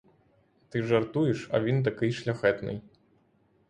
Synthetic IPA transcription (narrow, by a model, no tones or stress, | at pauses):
t̪ɨʐart̪ujɛʂa̰vʲint̪̬akɨjʂlʲaxɛt̪nɨ̰j